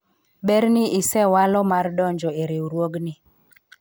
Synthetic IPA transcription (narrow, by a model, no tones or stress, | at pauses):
ɓɛɾnɪʔɪsɛwalɔmardɔɲd͡ʒɔeɾeuɾwoɡnɪ